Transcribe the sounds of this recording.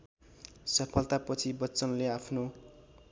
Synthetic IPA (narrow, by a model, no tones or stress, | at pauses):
sʌpʰʌlt̪apʌt͡sʰibʌːt͡sʌnleapʰno